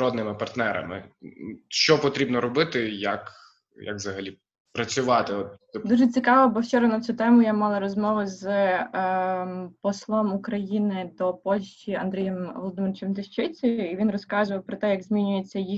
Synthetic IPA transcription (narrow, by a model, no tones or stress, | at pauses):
ɔd̪nɪmɪpɐrt̪nɛɾɐ̰mɪ̰ | ʃt͡ʃɔpɔt̪ɾʲibnɔɾɔbɪt̪ɪjɐ̰k | ja̰kʋzɐɦɐlʲi | pɾɐt͡sʲʊʋɑt̪ɪɔt̪d̪uʒɛt͡sʲikɑʋɐbɔwt͡ʃɔɾɐnɐt̪sʲut̪ɛmʊjamɑlˠɐɾɔzmɔʋʊz | pɔslˠɔmukɾɐjinɪd̪ɔpɔlʲʃʲt͡ʃiɐ̰nd̪ɾʲijɛmʋɔlˠɔd̪ɪmɪɾɪt͡ʃɛmt̪ɪʃt͡ʃɪt͡sʲijʊiʋʲinɾɔskɑzʊʋɐwpɾɔt̪ɛjɐɡzmʲinʲʊjet͡sʲːɐji